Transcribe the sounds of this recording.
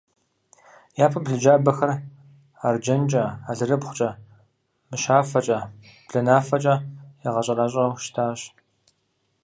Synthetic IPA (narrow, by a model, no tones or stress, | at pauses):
jaːpʰɐbɮɨd͡ʒaːbɐxɐr | ard͡ʒɐnt͡ʃʼɐaːɮɨrɨbχʷʊ̥t͡ʃʼɐ | mɨʃaːfɐt͡ʃʼɐ | b̥ɮɐnaːfɐt͡ʃʼɐjɪʁɐɕʼɐraːɕʼɐwʃtʰaːɕ